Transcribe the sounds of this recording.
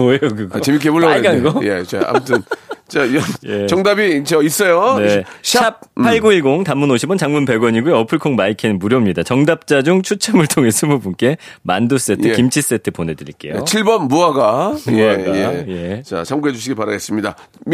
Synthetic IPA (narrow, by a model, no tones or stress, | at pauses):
ojokɯɡʌt͡ɕemik̬ebuɭːʌɡanɡʌje̞̰t͡ɕa̰a̰mtʰɯnt͡ɕaʌjet͡ɕʌŋdabit͡ɕʌis͈ʌjoneɕʰap̚ʰːaɭɡoiɭɡoŋtamːunoɕʰibʌnt͡ɕaŋmunpe̞ɡwʌɲiɡuʌpʰɯɭkʰoŋmaikʰennmuɾjʌmɲidat͡ɕʌŋdap̚t͡ɕ͈ad͡ʑuŋt͡ɕʰut͡ɕʰʌmɯɭtʰoŋe̞s͈ɯmubunk͈e̞ | mandus͈e̞tʰɯkimt͡ɕʰis͈etʰɯpone̞dɯɾiɭk͈e̞̰jo̰t͡ɕʰiɭbʌnːuaɡamjeaajeje̞t͡ɕa̰t͡ɕʰamɡued͡ʑuɕʰiɡepaɾaɡe̞s͈ɯmɲida